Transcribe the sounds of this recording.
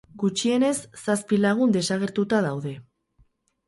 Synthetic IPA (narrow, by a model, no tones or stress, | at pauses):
ɡut͡ʃie̞ne̞sːaspilaɣ̞und̪e̞saɣ̞e̞ɾt̪ut̪aðawðe̞